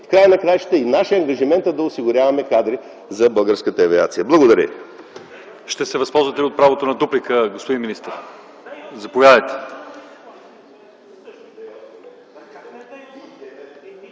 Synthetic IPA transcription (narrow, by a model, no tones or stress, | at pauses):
fkɾajənɐkɾajʃt̪əinaʃiəɐŋɡɐʒimɛnt̪əd̪ɐʊsiɡʊɾʲavɐmɛkad̪ɾi | zɐbəlˠɡəɾskət̪əɐvʲia̰t̪sijəblˠɐɡod̪ɐɾʲə̰ | ʃt̪ɛsɛvɐspɔlˠzvɐt̪ɛliot̪̚pɾavot̪onɐd̪uplikəɡospod̪inminist̪əɾ | zɐpovʲjad̪əjt̪ɛ̥